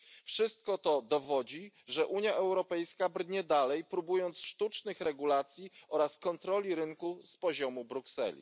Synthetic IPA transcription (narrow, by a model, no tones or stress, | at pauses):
fʂɘst̪̚kɔt̪ɔd̪ɔvɔd͡ʑiʐɛʔuɲjaʔɛwɾɔpɛjskabɾɲɛd̪alɛjpɾubujɔnt̪sʂt̪ut͡ʂnɘxɾɛɡulat̪sʲjiɔɾaskɔnt̪ɾɔlʲiɾɘŋkuspɔʑɔmubɾuksɛ̰lʲḭ